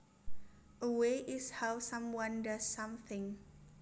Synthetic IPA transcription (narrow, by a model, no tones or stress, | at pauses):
ʔəweʔɪshawsʌ̃mwʌ̃ndʌsːʌ̃mθɪ̃ŋ